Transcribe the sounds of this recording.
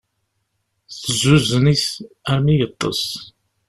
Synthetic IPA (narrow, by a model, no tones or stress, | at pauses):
θəzuznis | æɾmijət̪ˤːə̰s